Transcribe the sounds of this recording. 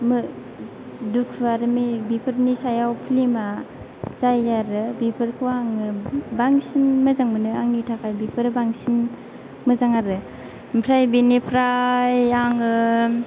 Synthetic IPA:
mɯ | dukʰɯaɾɯmibipʰɯɾnisajawpʰlima | z̥ajaɾɯbipʰɯɾkʰuwaŋɯbaŋsinmɯzaŋmɯnɯaŋnitʰakʰajbipʰɯɾɯbaŋsin | mɯzaŋaɾɯ | mpʰɾajbinipʰɾajaŋɯ

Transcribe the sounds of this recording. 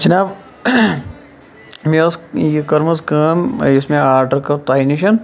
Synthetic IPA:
t͡ʃɐnaːb | mesjikɐɾmɐskaːmismẽaːɾʈɐɾkɐt̪aːiniʃɐn

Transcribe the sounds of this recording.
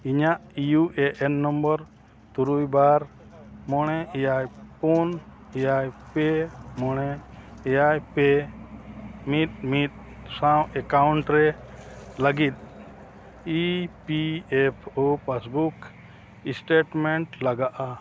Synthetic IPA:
iɲaʔijuʔɛʔɛnːɔmbɔɾ | t̪uɾujbaɾ | mɔɽ̃ɛɛjajpun | ɛjajpɛmɔɽɛɛjajpɛ | mit̪̚mit̪̚ | sãw̃ɛkawuɳʈɾɛ | ləɡit̪̚ | ipiɛpʰopasbuk | isʈeʈmɛɳʈlaɡaʔa

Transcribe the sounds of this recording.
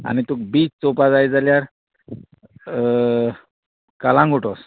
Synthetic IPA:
a̰nit̪uk̚biːt͡st͡sopad͡zajd͡zaljaɾ | kalãŋɡʱuʈɔs

